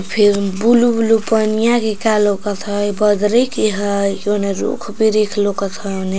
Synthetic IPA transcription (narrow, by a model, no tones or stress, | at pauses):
pʰiɾbulubulupənijakikalokət̪ʰəjbʌd̪ɾekiɦəjoneɾṵkʰbiɾikʰlokət̪ʰəne